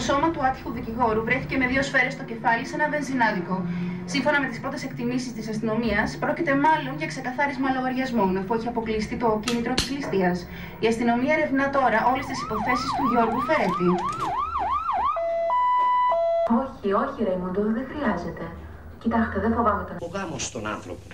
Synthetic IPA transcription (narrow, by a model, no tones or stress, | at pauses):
oso̞mɐt̪uɐt̪çi̥xuðiciɣo̞ɾuvɾe̞θice̞me̞ðio̞sfe̞ɾe̞st̪oce̞fɐlise̞nɐve̞nzinɐðiko̞ːiɱfo̞nɐme̞t̪ispɾo̞t̪e̞se̞kt̪imisist̪isɐst̪ino̞miɐspɾo̞cit̪e̞mɐlo̞nʝɐkse̞kɐθɐɾizmɐlɐɣoɾʝɐzmo̞nɐfueçiɐpo̞klist̪it̪o̞cinit̪ɾot̪i̥zlist̪iɐs | iɐst̪ino̞miɐeɾevnɐt̪o̞ɾɐʔo̞le̞st̪isi̥po̞θe̞sist̪uʝo̞ɾɣufe̞ɾet̪i | o̞çio̞çiɾejmond̪oðiðexɾiɐze̞t̪e̞ | cit̪ɐst̪eðefo̞vɐmet̪eoɣɐmost̪o̞̰nɐ̰nθɾo̰po